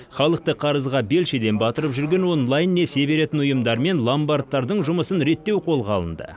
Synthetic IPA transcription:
χɑlˠəq̚t̪əqʰɑɾəzʁɑbe̞lʃed̪e̞nbɑt̪əɾəpʒʏɾɡʲe̞nwo̞nlˠajnːe̞se̞be̞ɾe̞t̪ɪnʊjəmd̪ɑɾme̞nlˠambart̪ːɑɾd̪əɴʒʊməsənɾe̞t̪ːe̞wqʰo̞lˠʁɑlˠə̰nd̪ə̰

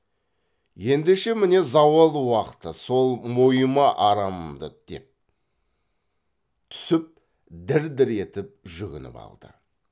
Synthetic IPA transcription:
je̞nd̪eʃe̞mɪne̞zɑwəlˠwɑqə̥t̪əso̞lˠmojəmɑʔɑɾɑməd̪əd̪̥e̞̰p̚ | t̪ʰʏ̥sɪp̚ | d̪ɪɾd̪ɪɾe̞t̪ɪp̚ʒʏɡʲɪnɪ̰pɑ̰lˠd̪̥ə̰

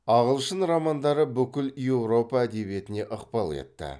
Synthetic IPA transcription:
ɑʁəlˠʃənɾɑmɑnd̪ɑɾəbʏkʲɪlje̞wɾo̞pɑæd̪e̞bje̞t̪ɪne̞ʔəqpɑlˠḛt̪ːɪ̰

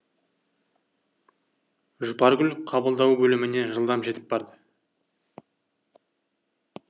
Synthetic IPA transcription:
ʒʊpɑɾɡʲʏlqʰɑbəlˠd̪ɑwbɵlɪmɪne̞ʒəlˠd̪ɑmʒe̞t̪ɪ̥p̚bɑɾd̪ə

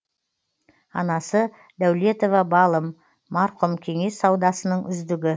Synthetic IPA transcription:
ɑnɑsə | d̪æwle̞t̪o̞vɑbɑlˠəmː | ɑɾqʊmkʲʰe̞ŋe̞sːɑwd̪ɑsənəɴʏ̰zd̪ɪɡʲɪ

